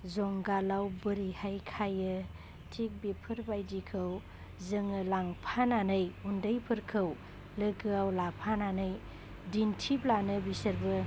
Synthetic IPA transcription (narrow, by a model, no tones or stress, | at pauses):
zɔŋɡalawbɯɾihajkʰajɯ | tʰik̚bipʰɯɾbajdikʰɯw | zɯŋɯlaŋpʰananɯjundəjpʰɯɾkʰɯw | lɯɡɯawlapʰananɯj | dintʰiplanɯbisəɾbɯ